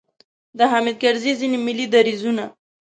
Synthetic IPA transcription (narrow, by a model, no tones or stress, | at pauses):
d̪əɦamid̪̚ɡaɾzizinimilid̪aɾizuna